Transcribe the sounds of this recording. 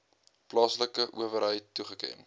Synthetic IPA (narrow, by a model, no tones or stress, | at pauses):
plɑːsləkəʔuəvəɾɦəjtːuχəkɛ̰n